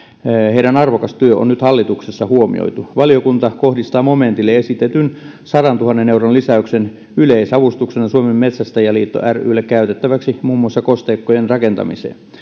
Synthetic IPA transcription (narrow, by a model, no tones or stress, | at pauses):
heiɾænɑrʋokɑst̪yøʔo̰nyt̪hɑlːit̪uksesːɑhuomḭo̰it̪uʋɑliokunt̪ɑkohdist̪ɑːmoment̪ilːeesit̪et̪yn | sɑɾɑnt̪uhɑnːeneuronlisæyksen | yleisɑʋust̪uksenɑsuomemmet̪sæst̪æjɑliːt̪ːo̰ʔæry̰ːlːekkæyt̪et̪ːæʋæksimuːmːuɑsːɑkost̪eːkːojenrɑkent̪ɑ̰mḭsḛːn